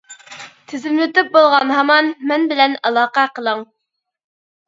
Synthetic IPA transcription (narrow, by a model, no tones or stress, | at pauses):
t̪ʰɪzɪmlɪt̪yp̚bolˠʁɑnɦɑmɑnmɛnbɪlɛnɑlˠɑːqæqʰəlˠəŋ